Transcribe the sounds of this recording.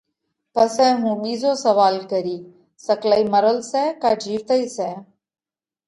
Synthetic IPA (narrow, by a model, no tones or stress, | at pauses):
pəsɛ̃ːɦũːɓiːzoːsəʋaːlkəɾiː | səklaːiməɾəlsɛːkaːd͡ʒʱiːʋt̪əiːsɛː